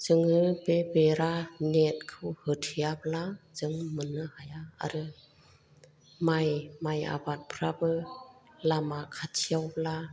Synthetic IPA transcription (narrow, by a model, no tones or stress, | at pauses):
zɯŋɯbebeɾanet̚kʰɯwhɯtʰijablaz̥ɯŋmɯnɯhajaa̰ɾɯ | majmaja̰bat̚pʰɾabɯ | lamakʰatʰijawbla